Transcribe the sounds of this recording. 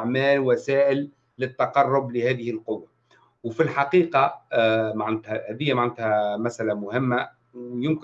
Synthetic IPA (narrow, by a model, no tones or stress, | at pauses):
ʕmæːlwæsæːʔɪlː | ɪt̪ːɑqɑrˤːʊblɪhæːðɪhɪlqʊwːa | wfɪlħɑqiːqɑ | maʕnɪt̪hæhæðɪjːamaʕnɪt̪hæmæsʔælæmʊhɪmːa | jʊmk